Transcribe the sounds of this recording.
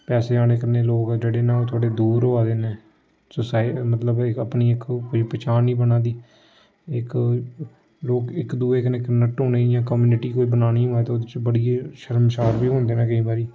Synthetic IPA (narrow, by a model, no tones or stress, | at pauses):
pɛːseːaːɽ̃eːkəɾneːloːkd͡ʒeːɽeːnãːoːt̪ʰʊaːɽeːd̪uːɾoːaːd̪eːneː | sosaːimət̪ləbɪkəpniːɪkkoiːpːt͡ʃaːnːĩːbənãːd̪iː | ɪk | loːkɪkd̪uːeːkəneːkənəʈõːneːjãːkəmjuːnɪʈiːkoːiːbənaːniːɦoːɛːt̪ːoːd̪ɪt͡ʃbəɽiːʃəɾəmʃaːɾbiːɦõːnd̪eːnãːkəĩːbaːɾiː